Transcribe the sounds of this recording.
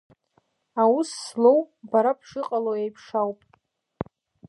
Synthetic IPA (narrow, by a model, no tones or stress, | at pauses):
awusːlowbaɾapʰʂɨqʼalowejpʰʂawpʼ